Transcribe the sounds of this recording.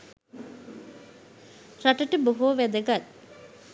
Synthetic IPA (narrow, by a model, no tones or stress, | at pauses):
raʈəʈəboɦoːʋæd̪əɡat̪̚